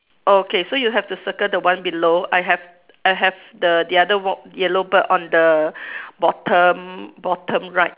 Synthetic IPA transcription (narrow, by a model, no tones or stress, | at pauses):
okesojuɦɛftusəkədəwãnbiloaɪɦɛv | ajɦɛvdədiadəwjɛlobəʔɔ̃ndə | bɔtʰə̃mbɔtʰə̃mɹaɪt̚